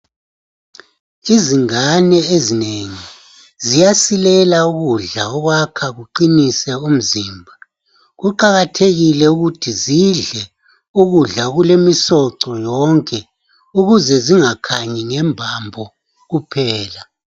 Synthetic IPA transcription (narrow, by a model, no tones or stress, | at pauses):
iziŋanɛezineŋi | zijasilɛlauɣuɮaɔɣwakʰaɣuǃinisɛum̩ziːmbʱa | ɣuǃaɣatʰeɣilɛuɣutʰiziɮɛ | uɣuɮaɣulemisɔǀɔjɔŋkʼɛ | uɣuzɛziŋakʰaɲɛŋɛmbʱambʱɔ | ɣupʰɛːla